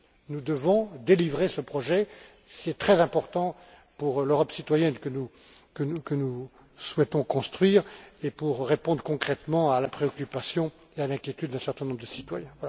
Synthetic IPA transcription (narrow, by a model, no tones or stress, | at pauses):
nud̪əvɔ̃d̪elivʁesəpχɔʒɛ | siɛt̪χɛzɛ̃pɔʁt̪ɑ̃ | puʁløʁɔpsit̪wajɛnkənu | kəukənu | swɛt̪ɔ̃kɔ̃st̪χɥiːʁepuʁːepɔ̃d̪ʁəkɔ̃kχɛt̪mɑ̃alapχeɔkʲypasjɔ̃ealɛ̃kʲjet̪yd̪ːɛ̃sɛʁt̪ɛ̃nɔ̃bʁd̪əsit̪wajɛ̃vwala